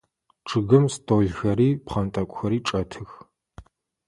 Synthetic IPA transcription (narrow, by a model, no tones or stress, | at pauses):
ʈ͡ʂʰɨɣɨmstʰoːɮxɐɾiːpχɐntʼɐkʷʼxɐɾiːʈ͡ʂʼɐtʰɨx